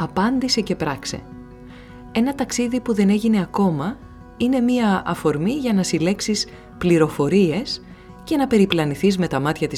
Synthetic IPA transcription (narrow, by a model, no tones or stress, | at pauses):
ɐpɐnd̪ise̞ce̞pɾɐkse̞̰ | e̞nɐt̪ɐksiðipuðe̞ne̞ʝine̞ɐko̞mɐ | ine̞miɐɐfo̞ɾmiʝɐnɐsile̞ksis | pliɾo̞fo̞ɾie̞s | ce̞nɐpe̞ɾiplɐniθizme̞t̪ɐmɐt̪çɐt̪i